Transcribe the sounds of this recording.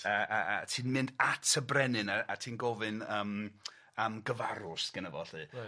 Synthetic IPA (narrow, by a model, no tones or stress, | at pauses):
əaatʰiːnmɪndatʰəbrɛnɨnaatʰiːnɡɔvɨnəːm | əmɡəvaɾʊsɡ̥ənəvɔ̰ɬɨ